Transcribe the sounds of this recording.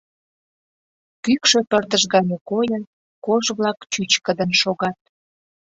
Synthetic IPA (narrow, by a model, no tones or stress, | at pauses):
kykʃepərd̪əʒɣɑnʲekojən | koʒβlɑkt͡ɕyt͡ɕkəd̪ənʃoɣɑt̪̚